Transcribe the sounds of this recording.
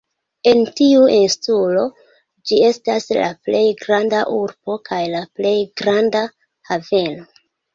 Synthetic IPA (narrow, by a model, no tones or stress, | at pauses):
e̞ntiuinstulo̞ | d͡ʒie̞stasla̰ple̞jɡɾandaʔuɾbo̞kajlaple̞jɡɾanda | have̞no̞